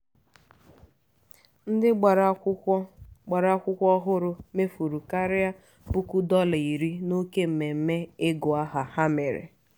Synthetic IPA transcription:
n̩˦dɪ˦ɡ͡bɾɡ͡ba˨ɾa˦kʷʊ˦kʷɔ˦ɦʊ˦ɾʊ˦me˦fu˨ɾu˨ka˦ɾɪ˦ja˦ | bu˦ku˦dɔ˦lɪ˨i˨ɾi˦no˦ke˦m̩˨me˨m̩˦me˦ɪ˦ɡʊ˨a˦ɦa˨ha˦me˨ɾḛ˨

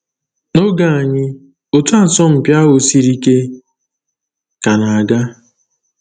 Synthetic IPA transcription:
no˦ɡa˨a˨ɲɪ˦ | o˨tu˦a˦˨sɔ˦m̩˨pja˦ɦo˨si˦ɾi˦ke˦ | ka˨na˨a˨ɡa˦

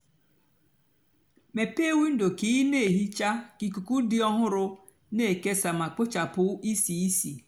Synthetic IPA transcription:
me˨pe˦˨wu˦n̩˦do˨ki˦ne˦˨ɦi˦t͡ʃa˦ki˨ku˨ku˦dɪ˦ɔ˦ɦʊ˦ɾʊ˦ | ne˦˨ke˦sa˨ma˨k͡pʊ˦t͡ʃa˨pʊ˦i˦si˨i˦si˨

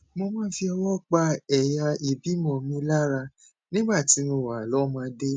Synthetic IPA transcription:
mo˧mãː˦fi˧ɔ˧wɔ˦k͡pa˧ɛ˨ja˧i˨bi˨˦mɔ̃˧˨mĩ˦la˦ɾa˧ | nĩ˦ɡ͡ba˦˨ti˨˦mo˧˨wa˨lɔ˨˦mãː˧˦de˦

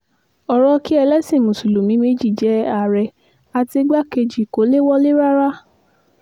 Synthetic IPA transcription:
ɔ˧ɾɔ˦ki˦ɛ˧lɛ˦si˦˨mũ˨su˨lu˨mĩ˨˦me˦d͡ʒi˦˨d͡ʒɛ˨˦a˨ɾɛ˧ | a˧ti˧ɡ͡ba˦ke˧d͡ʒi˨ko˨˦le˦wɔ˦le˦ɾa˦ɾa˦

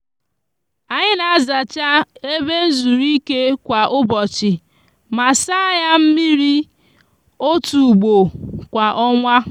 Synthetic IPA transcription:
a˨ɲɪ˦na˨a˦za˨t͡ʃa˦e˦be˦n̩˦zu˨ɾi˦ke˦kʷa˨ʔʊ˦bɔ˨t͡ʃɪ˨ | ma˨sa˦ja˦m̩˦mi˦ɾi˦ | o˦tu˨ɡ͡bo˨kʷa˨ʔɔ˦ŋʷa˦

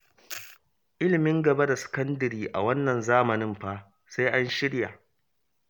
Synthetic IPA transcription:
ʔɪ˦lɪ˨mɪ˦ŋɡɐ˨ba˦da˨sɪ̥˨kɐ˦ndɐ˨ɾiː˦ʔa̰˨wɐ˦nːɐ˨nzaː˦mɐ˨nɪ˦mɸaː˦ | sa˦jʔa˦nʃɪ˦ɽja̰˨

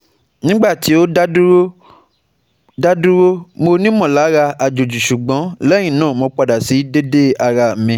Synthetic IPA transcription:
nĩ˦ɡ͡ba˦˨ti˨˦o˦ | da˦du˦ɾo˦mo˧nĩ˦mɔ̃˦˨la˨˦ɾa˧ʔa˨d͡ʒo˨d͡ʒu˨ʃu˨ɡ͡bɔ̃˨˦lɛ̃˦ĩ˦˨nãː˦˨mɔ̃˧k͡pa˧da˨si˨˦de˦de˦a˧ɾa˧m̩˨mĩ˧˦

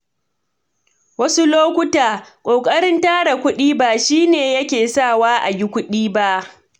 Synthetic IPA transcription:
wɐ˦su˦loː˦kʷʊ˦taː˨kʷʼoː˨kʼɐ˦ɽɪ˦ntaː˦ɽa˨kʷʊ˦ɗiː˦baː˨ʃiː˦neː˨jɐ˦kʲeː˨sa˦˨waː˦ʔa˨ɡʲɪ˦kʷʊ˦ɗiː˦ba˦ʔ

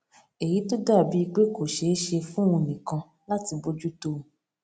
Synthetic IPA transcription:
e˨ji˨˦to˦da˦˨bi˨˦i˧ɡ͡be˦ko˨ʃe˨˦ʃe˧fũ˦wũ˧nĩ˨kã˧ | la˦ti˧bo˧d͡ʒu˦to˧˨

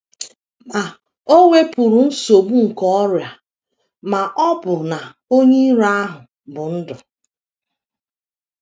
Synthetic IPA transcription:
ma˨ | o˦ŋʷe˦pʊ˨ɾʊ˨n̩˦so˨bu˦ŋ̩˨kɔ˦ɔ˦ɾja˨ | ma˨ʔɔ˦bʊ˨na˨ | o˦ɲe˦i˦ɾa˦ɦʊ˨ | bʊ˨n̩˦dʊ˨

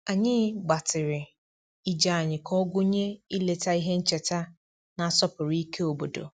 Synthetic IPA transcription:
a˨ɲɪ˦ɡ͡ba˨tɪ˨ɾɪ˨ | i˦d͡ʒa˨a˨ɲɪ˨kʰɔ˦ɡʊ˦ɲe˦i˦le˨ta˦i˦ɦe˦n̩˦t͡ʃe˨ta˦ | na˨a˨sɔ˦pʊ˨ɾi˦i˦kʰe˦o˨bo˨do̰˨

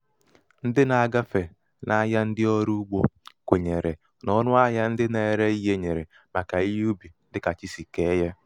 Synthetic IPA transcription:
n̩˦dɪ˦na˨a˨ɡa˦fe˨ | na˦ja˦n̩˦dɪ˦ɔ˦ɾu˦ɡ͡bo˦kʷe˨ɲe˨ɾe˨ | nɔ˦nʊ˦a˦ja˦n̩˦dɪ˦ne˨˦˨ɾe˦i˦ɦe˦ɲe˨ɾe˨ | ma˨ka˨i˦ju˦bi˨n̩˦dɪ˦ka˨t͡ʃi˦si˨ke˦ɦe˦

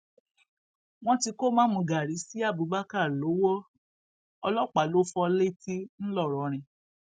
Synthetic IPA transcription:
w̃ɔ̃˦ti˧ko˦mãː˨˦mũ˧˨ɡa˨ɾi˨˦si˦a˦˨bu˨˦ba˦ka˦˨lo˨˦wɔ˦ | ɔ˧lɔ˦k͡pa˨lo˦fɔ˧le˦˨ti˦n̩˦lɔ˦˨ɾɔ˨ɾ̃ĩ˧

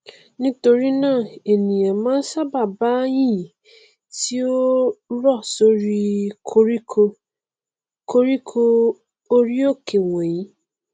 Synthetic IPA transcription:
nĩ˦to˧ɾi˦nãː˦˨e˨nĩ˨jɛ̃˨mãː˦n̩˦sa˦˨ba˦˨ba˨˦j̃ĩ˦ | ti˦o˦ɾɔ˦˨so˦ɾi˦kʰo˧˦ɾi˦ko˧ | ko˧ɾi˦kʰo˧ | o˧ɾi˦o˦ke˨wɛ̃˨ji˨˦

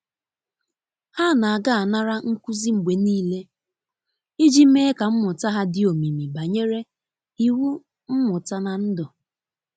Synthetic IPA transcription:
ha˦˨na˨a˨ɡa˦˨a˨na˦ɾa˦ŋ̩˦ku˦zi˦ŋ͡m̩˨ɡ͡be˨niː˦le˦ | i˦d͡ʒi˦meː˦ka˨m̩˦mʊ˨ta˦ɦa˦dɪ˦˨o˨mi˨mi˨ba˨ɲe˦ɾe˦ | i˨wu˦ | m̩˦mʊ˨ta˦na˨n̩˦dɔ˨

